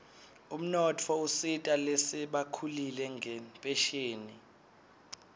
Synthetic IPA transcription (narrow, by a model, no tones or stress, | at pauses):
um̩nɔtʰɔusitʼalesiɓakʰulilɛŋɡʱɛmpʼɛʃeːni